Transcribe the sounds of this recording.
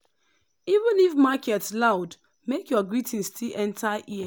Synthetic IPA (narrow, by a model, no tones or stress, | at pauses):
ivə̃nifmakɛtslaʊd | mekjɔɡɹitʰĩnstʰilʔɛ̃ntʰaʔi